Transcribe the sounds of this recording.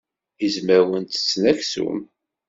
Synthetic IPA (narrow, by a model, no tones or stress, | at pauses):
izməwənt̪t͡sːnæçsṵm